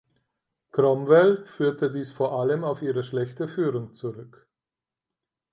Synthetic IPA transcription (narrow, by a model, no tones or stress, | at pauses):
kʁ̥ɔmvɛlfyːɐtədiːsfoːɐʔaləmaʊfiːʁəʃlɛçtəfyːʁʊŋt͡suʁʏk